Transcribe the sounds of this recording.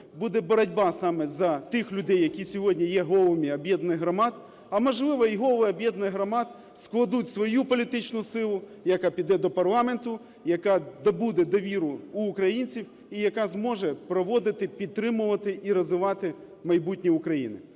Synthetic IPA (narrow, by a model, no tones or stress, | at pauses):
bud̪ɛbɔɾɐdʲbɑsɑmɛzɐt̪ɪxlʲʊd̪ɛjːɐkʲisʲɔɦɔdʲnʲijɛɦɔlˠmʲiɐbʲjɛd̪nɪɦɾɐmɑt̪ | ɐmɐʒlˠɪʋɐiɦɔʋˠɪɐbjɛd̪nɪɦɾɐmɑt̪ | sklˠɐd̪utʲsʋɔjupɔlʲit̪ɪt͡ʃnʊsɪlˠʊ | jɐkapʲid̪ɛd̪ɔpɐrlˠɑment̪ʊ | jɐkɑd̪ɐbud̪ɛd̪ɐʋʲiɾʊːkɾɐjinʲt͡sʲiw | ijɐkɑzmɔʒɛpɾɔʋɔd̪ɪt̪ɪpʲid̪̚t̪ːɾɪmʊʋɐt̪ɪʔiɾɐzʋɪʋɑt̪ɪ | mɐjbutʲnʲiʊkɾɐjḭnɪ̰